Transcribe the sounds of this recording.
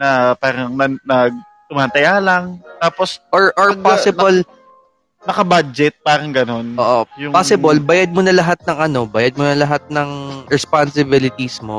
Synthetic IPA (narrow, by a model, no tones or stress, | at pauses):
nɐpaːɾɐŋnɐnɐɡ̚ | t̪ʊmaːnt̪ɐjaːlɐŋt̪aːposʔoɹʔoɹpasɪbɐl | nɐkɐbad͡ʒɛt̪̚paːɾɐŋɡɐno̞noːʔojʊpaːsɪbɐlbajad̪̚monɐlɐɦat̪̚nɐŋʔɐno̞bajad̪̚monɐlɐɦat̪̚nɐŋɾɛspansɪbɪlɪt̪ismo